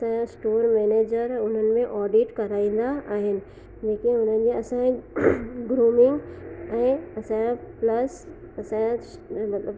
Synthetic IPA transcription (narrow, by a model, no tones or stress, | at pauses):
ɐsãsʈoːɾmɛːneːd͡ʑəɾʊn̤ənɪ̆mẽʔɔːɖiʈkɐɾaːĩːnd̪aaːɦɪnɪ̆ | d͡ʑeːkĩʊn̤ən̆d͡ʑeɐsã | ɡɾuːmɪ̃ŋɡɛ̃ːɐsãplɐs | ɐsãmɐt̪ləb